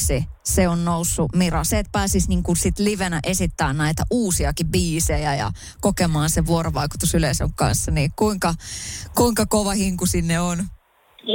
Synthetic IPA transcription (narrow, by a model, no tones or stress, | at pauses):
siseonnousːumirɑseːt̪̚pæːsisniŋkunsit̪liʋenæʔesit̪ːæːnnæit̪æʔuːsiɑkibbiːsejæjɑ̰ | kokemɑːnseʋʋuoroʋɑikut̪usyleiso̰ŋkɑ̰nsːɑniːkuiŋkɑkuiŋkɑkoʋɑhiŋkusinːeon